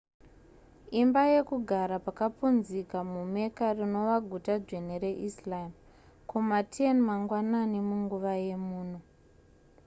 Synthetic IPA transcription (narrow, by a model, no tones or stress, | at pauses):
imbaje̞kuɡʱaɾapakapunzikamume̞karino̞ʋaɡʱutad͡ʐen̤eɾe̞ʔislaim | kumatʰienmaŋɡwananimuŋɡuʋaje̞muːn̤u